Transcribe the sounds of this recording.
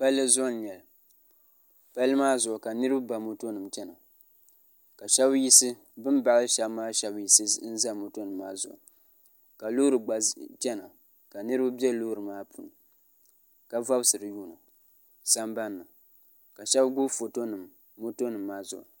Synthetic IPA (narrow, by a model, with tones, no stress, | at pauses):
pa˦lːɨ˦zɔ˦n˨ɲɛ˨l | pa˦lɨ˦maː˦zʊ˨ʊ˨ka˨nɨ˦ɾɨ˦bɨ˦ba˨mo˦to˦nɨ˨mt͡ʃɛ˦na˨ | ka˨ʃɛ˦bji˦sɨ˦ | bɨ˦mba˨ʔɨ˦ʃɛ˦bmaː˦ʃɛ˦bji˨sɨ˦n̩˦za˦mo˨to˦nɨ˨mːaː˦zʊ̰˨ʔʊ̰˨ | ka˨lo˦ɾɨ˨ɡ͡ba˨t͡ʃɛ˦na˨ | ka˨nɨ˦ɾɨ˦bɨ˦bɛ˦lo˦ɾɨ˨maː˦pʰu˨nɨ˨ | ka˨va˦bsɨ˨ɾɨ˨juː˦˨nɨ˨ | sa˦mba˦nːɨ˨ | ka˨ʃɛ˦bɡʊ˦fo˨to˦nɨ˨mː | o˦to˦nɨ˨mːaː˦zʊ̰˨ʔʊ̰˨